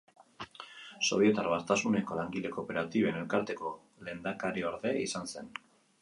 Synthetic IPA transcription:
so̞β̞je̞t̪aɾβast̪asune̞ko̞laŋɡile̞ko̞pe̞ɾat̪iβene̞lkaɾt̪e̞ko̞ | le̞ːnd̪akaɾioɾðe̞isanse̞n

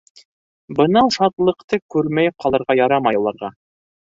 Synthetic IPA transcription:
bɤ̆nɑwʃɑt̪lˠɤ̆qt̪ɤkʉɾmæjp̚qʰɑlˠɤ̆ɾʁɑjɑɾɑmɑjulˠɑɾʁɑ

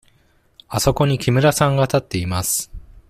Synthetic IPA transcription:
aso̞ko̞ɲ̟ikʲimɯ̟ɾasãŋɡat̪at̪ːe̞imasɨ̥

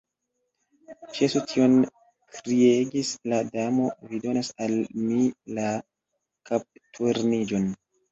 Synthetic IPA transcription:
t͡ʃesutʰio̞n | kɾieɡisladamo̞vido̞nasalmila | kap̚tʰuɾnid͡ʒo̞n

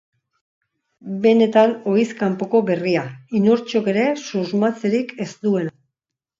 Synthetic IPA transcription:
be̞ne̞t̪ano̞iskampo̞ko̞be̞riainoɾt͡ʃo̞ke̞ɾe̞suzmat͡seɾike̞zt̪ue̞na

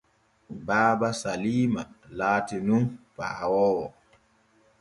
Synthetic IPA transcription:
baːbasaliːmalaːtinunpa̰ːwɔːwɔ

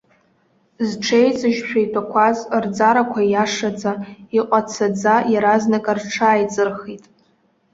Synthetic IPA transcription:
zʈ͡ʂʰejt͡sʼɨʒʃᶣʰajtʷʰʼakʷʰazrd͡zaɾakʷʰajaʂad͡zaiqʷʼat͡sʰad͡zajaɾaznakʼarʈ͡ʂʰaːjt͡sʼɨrχitʼ

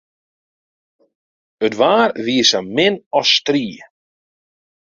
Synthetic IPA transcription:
ətvaːɾviəsamɪnɔst̪ɾiː

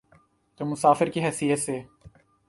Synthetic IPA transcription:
t̪oːmʊsaːfɪɾkiɦɛːsijət̪seː

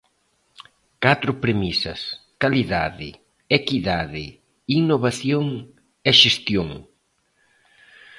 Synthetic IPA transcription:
kat̪ɾʊpɾemisɐ̰skaliðaðɪ̰ | ekiðaðɪ | inoβaθjoŋ | ɛʃest̪joŋ

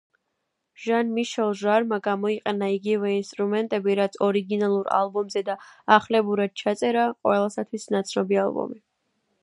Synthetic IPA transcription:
ʒ̥anmiʃɛlˠʒaɾmaɡamɔiqʼɛnaiɡivɛinst̪ʼɾumɛnt̪ʼɛbiɾat̪sʰɔɾiɡinalˠuɾa̰lˠbɔmzɛd̪aaχlɛbuɾad̪̥̚t͡ʃʰat̪sʼɛɾaqʼwɛlˠasat̪ʰwisnat̪sʰnɔbialˠbɔ̰mi

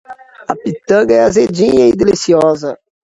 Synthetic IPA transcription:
ɐpit̪ɐ̃ɡɐɛazed͡ʒĩɲɐid̪elisiɔzɐ

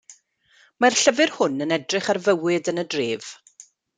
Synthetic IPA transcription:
marɬəvɨrhʊnənɛdrɪχarvəwɪdənədreːv̥

